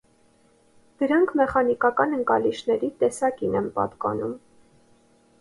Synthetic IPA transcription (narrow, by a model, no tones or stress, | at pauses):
d̪̥əɾɑŋkʰmɛχɑnikɑkɑnəŋkɑliʃʰnɛɾit̪ɛsɑkinɛnpɑ̰t̪kɑ̰num